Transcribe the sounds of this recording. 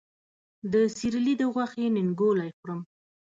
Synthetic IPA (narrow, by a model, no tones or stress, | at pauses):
d̪əsiɾilid̪əɣwaxenɪŋɡolajxɾəm